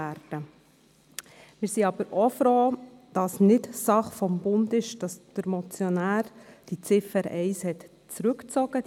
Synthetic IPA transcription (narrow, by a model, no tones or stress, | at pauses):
æɾd̥ə | mɪːɾsiɑb̥əɾofɾoːd̥ɑsnɪtsɑχfɔmbʊndɪʃd̥ɑsd̥əɾmɔt͡sjɔnæːɾd̥it͡sɪfəɾɛɪshɛt̪ | t͡sɾʉkt͡sɔɡ̥ə